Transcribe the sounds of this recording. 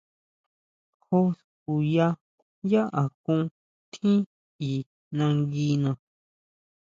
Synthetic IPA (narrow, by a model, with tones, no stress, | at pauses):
ho˧s | ku˨ja˧ | ja˦ʔa˨kũ˦˧ | t̪ʰĩ˦ | i˨ | nã˧ŋɡi˧˦nã˧